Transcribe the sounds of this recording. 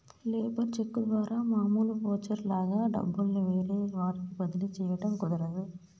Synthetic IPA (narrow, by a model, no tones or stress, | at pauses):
leːbɐɾt͡ʃɛkːɯɾʋaːɾʔamaːmuːlpoːt͡ʃːɐɾlaːɣɐɖɐ̰bːɐllɐʋeːɾeːʋaːɾk̪ɯpɐðɪlit͡ʃɛjʋɐɽɐmkʊðɪɾɐðɯ